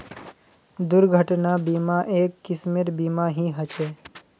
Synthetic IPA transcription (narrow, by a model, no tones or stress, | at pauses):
d̪ʊɾɡʱəʈnabimaʔeːkːɪsmeɾbimaɦiɦət͡ʃe